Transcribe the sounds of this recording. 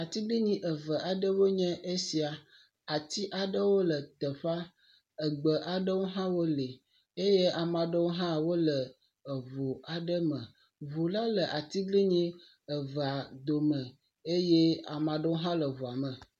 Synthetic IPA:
a˨t̪i˦ɡli˦ɲĩ˦ʔə˨və˨a˨ɖə˦wo˦ɲɛ̃˦ʔe˦si˨a˨ | a˨t̪i˦ʔa˨ɖə˦wo˦lə˨t̪ə˨ɸa˦ | ə˨ɡ͡bə˨ʔa˨ɖə˦wo˦ɦã˦wo˦li˨ | e˦je˦a˨mã˨ɖə˦wo˦ɦã˦wo˦lə˨ | ə˨vu˨a˨ɖə˦mə̃˨ | vu˨la˦lə˨ʔa˨t̪i˦ɡli˦ɲĩ˦ | ə˨və˨a˨d̪o˨mə̃˨ | e˦jɛ˦a˨mã˨ɖə˦wo˦ɦã˦lə˨vu˨a˨mə̃˨

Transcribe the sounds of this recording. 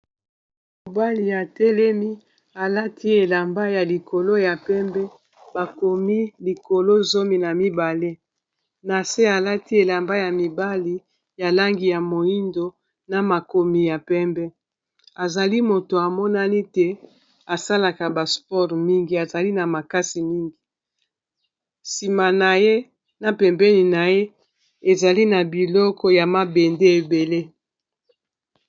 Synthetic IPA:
m | o˨ba˦li˨ja˨tɛ˦lɛ˦mi˦ | a˨la˦tʰi˦e˨la˨mba˦ja˨li˨kʰo˨lo˦ja˨pɛ˦mbɛ˦ | ba˨ko˨mi˦li˨ko˨lo˦zo˦mi˨na˨mi˦ba˨le˦ | na˨se˦a˨la˦ti˦e˨la˨mba˦ja˨mi˨ba˦li˦ | ja˨la˦ŋɡi˨ja˨mo˨i˦ndo˨ | na˨ma˨ko˨mi˨ja˨pɛ˦mbɛ˦ | a˨za˨li˦mo˨to˨a˨mɔ˦na˦ni˦te˦ | a˨sa˦la˨ka˨ba˨spɔ˦ʁmi˦ŋɡi˨a˨za˨li˦na˨ma˨ka˦si˨mi˦ŋɡi˨ | si˨ma˨na˨je˦ | na˨pɛ˨mbɛ˦ni˨na˨je˦ | e˨za˨li˦na˨bi˨lɔ˦kɔ˦ja˨ma˨be˨nde˦e˨be˨le˦

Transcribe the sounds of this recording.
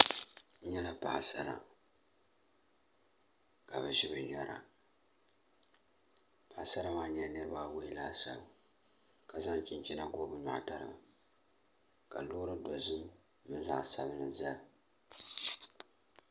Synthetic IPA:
ɲɛ˦la˨pa˨sa˦ɾa̰˨ | ka˨bɨ˨ʒɪ˦bɨ˨ɲɔ˦ɾa̰˨ | pa˨ʔsa˦ɾa˦maː˦ɲɛ˦nɨ˦ɾɨ˦ba˦we˦ɪ˦laː˦sa˦bɨ˨ | ka˨za˦ŋt͡ʃɪ˨nt͡ʃi˦na˨ɡo˦bɨ˨ɲa̰˨ʔta˨ɾɨ̰˨ma˨ | ka˨loː˦ɾɨ˦do˨zɨ˦m | mɨ˦n˦za̰˦ʔsa˨βɨ˦nɨ˨za˦l

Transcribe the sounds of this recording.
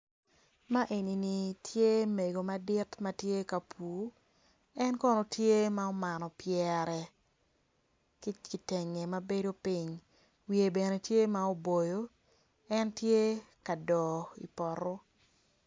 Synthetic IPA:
ma˦ʔe˨ni˨ni˨tʰje˦me˨ɡo˨ma˦dɪ˦tma˦tje˦ka˨pʰuː˨˦ | ɛ˦nkɔ˦no˨tje˦ma˦o˦ma˨nɔ˨pjɛ˨ɾɛ˨ | kɪ˦ki˨tɛ˨ŋe˨ma˦be˦do˦pi˦ɲ | wi˨e˨bɛ˨ne˨tje˦ma˦o˦bo˨jo˦ | ɛ˦ntje˦ka˨dɔ˨ḭ˨pɔ˨ɾɔ˦

